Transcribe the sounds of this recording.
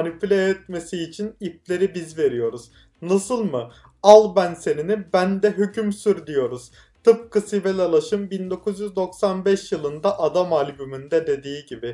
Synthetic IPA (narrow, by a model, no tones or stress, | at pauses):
nipylʲeɛt̪̚me̞siːt͡ʃʰinip̚lʲe̞ɾibizve̞ɾijo̞ɾuz̥ | nasɯlˠmɯ | alˠbænse̞ninibænd̪ɛɦycʰymsyɾd̪ijo̞ɾuz̥ | t̪ʰɯp̚kʰɯsivɛlʲalˠaʃɯmbind̪o̞kʰuzjyzd̪o̞ksanbɛʃjɯlˠɯnd̪aʔad̪amalʲbymynd̪ɛd̪e̞d̪iːɟibɪ